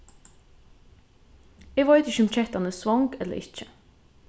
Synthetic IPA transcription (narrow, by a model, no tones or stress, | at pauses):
eːɡʋɑɪt̪ɪçʉmc͡çɛt̪ɑnəsʋɑŋɡɛlə̰ɾɪçə